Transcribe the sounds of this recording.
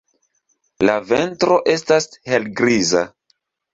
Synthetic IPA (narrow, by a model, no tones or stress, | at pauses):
lave̞ntɾo̞ʔe̞stashe̞lɡɾiza̰